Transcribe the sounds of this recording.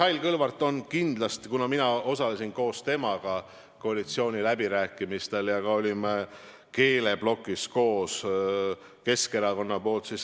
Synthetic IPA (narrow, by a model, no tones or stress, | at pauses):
hɑjlkɤlvɑrt̪ːˑo̞nkind̪̥lɑst̪kunɑminɑo̞sɑle̞sinko̞ːst̪e̞mɑɡ̥ɑ | ko̞ɑlit̪sio̞ːnʲilæbiɾæːkːˑimist̪e̞ljɑkɑo̞lʲim | ke̞ːle̞b̥lo̞kːˑisko̞ːs | ke̞ske̞ɾɑko̞nːɑpo̞ːlt̪sis